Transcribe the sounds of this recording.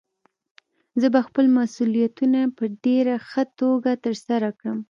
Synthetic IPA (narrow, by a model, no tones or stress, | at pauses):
zəbaxpəlmasulijat̪unapəɖeɾaxət̪oɡat̪əɾsaɾakɽəm